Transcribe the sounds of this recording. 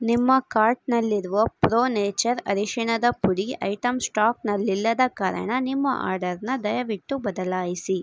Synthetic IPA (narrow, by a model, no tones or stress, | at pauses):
nimːɐkaːɾʈnɐlːiɾuʋɐpɾoːneːt͡ʃɐɾɐ̰ɾiʂiɳɐd̪ɐpuɽiɐ̰jʈɐmsʈaːknɐlːilːɐd̪ɐkaːɾɐ̰ɳɐnimːɐ̰ʔa̰ːɾɖɐɾnɐd̪ɐjɐʋiʈːubɐd̪ɐlaːjisi